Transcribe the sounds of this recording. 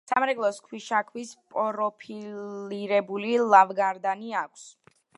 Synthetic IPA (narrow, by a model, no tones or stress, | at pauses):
samɾɛɡlˠɔskʰwiʃakʰwispʼɔɾɔpʰiliɾɛbulilˠavɡaɾd̪aniakʰs